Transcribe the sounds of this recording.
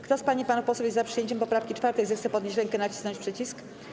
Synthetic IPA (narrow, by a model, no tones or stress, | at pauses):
kt̪ɔspaɲipanufpɔswjɛzzapʂɨjeɲt͡ɕɛmpɔpɾafkʲit͡ʂfaɾt̪ɛjzɛxt̪sɛpɔd̪ɲeɕ̬ɾɛŋkɛnat͡ɕi̥snɔɲt͡ɕpʂɛt͡ɕisk